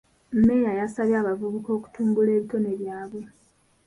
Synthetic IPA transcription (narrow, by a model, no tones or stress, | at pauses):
m̩mːe̞jajasaβjaːβavuβuko̞ːku̥tuːŋɡule̞ːβito̞ne̞βjaːβwe̞